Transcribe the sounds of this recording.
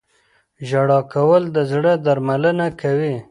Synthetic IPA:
ʒaɽɑkʰawəld̪əzɽəd̪aɾmalənakʰawi

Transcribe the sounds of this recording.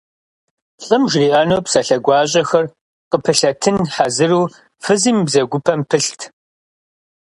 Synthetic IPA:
ɬʼɨmʒriaːnoːpsɐɬɐɡʷɑːɕ̬ʼɐxɐr | qəpʰɨɬɐtʰɨnħazɨruː | fɨziːmbzɐɡʷʊpʰɐmpʰɨɬtʰ

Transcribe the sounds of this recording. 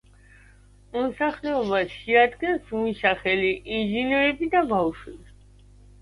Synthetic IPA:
mɔsaχlɛɔbasʃiad̪ɡɛnsumisaχɛliʔinʒinɛɾɛbid̪abafʃwibi

